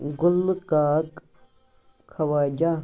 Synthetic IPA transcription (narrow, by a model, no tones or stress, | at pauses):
ɡʊlkaːk | kʰːɐwaːd͡ʒaː